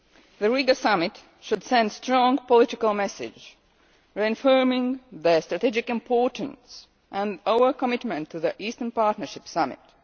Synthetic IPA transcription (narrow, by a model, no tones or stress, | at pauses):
ðəɹiɡəsʌmɪt | ʃʊdsɛ̃ndstɹɔ̃ŋpəlɪɾɪkəlˠmɛsɪ̰̥d͡ʒ | ɹĩnfɜmɪ̃ŋðəstɹ̥ətid͡ʒɪkɨ̃mpʰɔɹtn̩s | ʔə̃ndaə˞kəmɪtmə̃ntʰːuðəʔistə̃˞npɑɹtnə˞ʃɪpsʌmɪ̰t